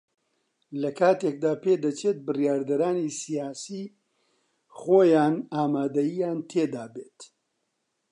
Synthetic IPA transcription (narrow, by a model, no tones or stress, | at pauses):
lɐkʰaːt̪ek̚d̪aːped̪ɐt͡ʃʰet̪̚bɨrijaːɾd̪ɐɾaːnisijaːsiː | χoːjaːnaːmaːd̪ɐjijaːnt̪ʰeːd̪aːbeːt̪